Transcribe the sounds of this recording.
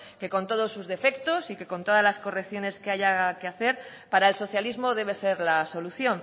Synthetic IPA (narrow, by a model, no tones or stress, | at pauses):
ke̞ko̞nt̪o̞ð̞o̞sːuzðe̞fe̞kt̪o̞sike̞ko̞nt̪o̞ðazlasko̞rekθjo̞ne̞skeaʝake̞aθe̞ɾ | paɾaelso̞θjalizmo̞ð̞e̞β̞e̞se̞ɾlaso̞luθjo̞n